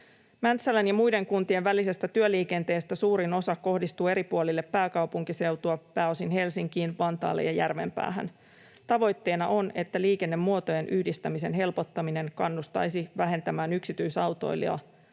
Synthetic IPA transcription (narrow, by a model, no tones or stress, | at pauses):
mænt̪sælænjɑmujde̞ŋkunt̪ie̞ʋʋælisest̪æt̪yøliːke̞nt̪e̞ːst̪æsuːɾino̞sɑkkːo̞hdist̪uːe̞ɾipuolilːepːæːkɑwpuŋkise̞wt̪uɑpæːo̞sinɦe̞lsiŋkiːnʋɑnt̪ɑ̰ːlːḛjɑjærʋe̞̰mpæ̰ːɦæ̰n | t̪ɑʋo̞jt̪ːe̞ːnɑʔo̞ne̞t̪ːæliːke̞nːe̞mːuo̞t̪o̞je̞nʔyhdist̪æmise̞nɦe̞lpo̞t̪ːɑmine̞ŋkɑnːust̪ɑ̰jsiʋæɦe̞nt̪æmæːnyksit̪yjsɑwt̪o̞̰jliɑ̰